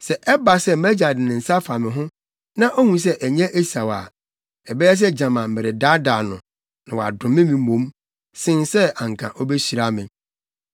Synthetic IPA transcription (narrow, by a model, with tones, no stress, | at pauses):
sɛ˨ʔɛ˦ba˨sɛ˦mɛ˦d͡ʑa˨dɪ˨nɪ̃˨n̩˨sa˦fa˨mɪ̃˨ɦʊ̃˦ | nã˦ʔo˦hũ˨s̬ɛ˦ʔɛ˨ɲɛ̃˦ʔe˦sa˨wa̰˨ | ɛ˨bɛ˦ɛ˦s̬ɛ˦d͡ʑã˨mã˨m̩˨mɪ˨ɾɪ˨da˦daː˨nʊ̃˨ | nã˨wɔ˨a̰˨dʊ̃˨mɪ̃˦mĩ˨mõ˦m | sɪ̃˦nsɛ˦ã˨ŋ̩˨kʰã̰˨ʔɔ˦be˦ɕi˨ɾa˦mɪ̃˨